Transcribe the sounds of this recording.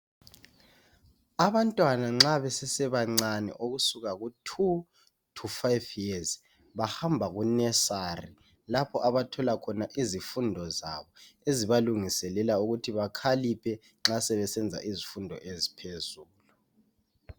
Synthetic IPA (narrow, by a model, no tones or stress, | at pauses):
aβantʼwanaŋ͡ǁaβɛsɛsɛβaŋ͡ǀanɛ̰ʔoɣusuɣaɣutʰu | tʰufajviɛz | βahambʱaɣunɛsari | lapʰɔʔaβatʰɔlakʰɔnaʔizifundʱɔza̰βɔeziβaluŋisɛlɛlauɣutʰiβakʰalipʰɛ | ŋ͡ǁasɛβɛsɛnd͡zʱa̰ʔizifundʱɔ̰ʔezipʰezuːlu